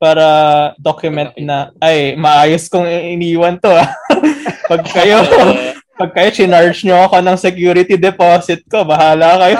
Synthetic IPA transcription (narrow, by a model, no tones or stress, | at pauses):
paːɾɐd̪okjʊmɛnt̪̚nɐʔɐjmɐʔaːjoskoŋɪniːwɐnt̪oa | pɐɡ̚kɐjopɐɡ̚kɐjot͡ʃɪnaɹt͡ʃɲoɐko̞nɐŋsɛkjuːɾɪt̪id̪ɛpoːsɪt̪̚ko̞bɐɦaːlɐkɐjo